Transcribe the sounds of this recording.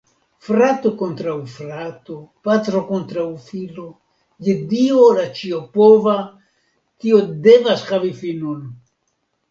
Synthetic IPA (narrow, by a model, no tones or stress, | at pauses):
fɾat̪okont̪ɾaufɾat̪opat̪ɾokont̪ɾaufilo | jed̪iolat͡ʃiopova | t̪iod̪evasxavifinun